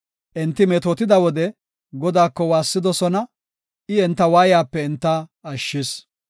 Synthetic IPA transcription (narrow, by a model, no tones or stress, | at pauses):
ʔɪnt̪ːɪmɛt̪oːt̪ɪd̪ɐwɔd̪ɛ | ɡɔd̪aːkːɔwaːsːɪd̪ɔsɔnɐ | ʔɪɛnt̪ːɐwaːjjaːpːɛɪnt̪ːɐɐʃːɪs